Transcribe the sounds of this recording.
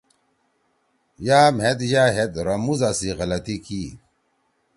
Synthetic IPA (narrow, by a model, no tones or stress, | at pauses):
jaːmhet̪jaːɦet̪ɾɐmuzasiɣɐlɐt̪iki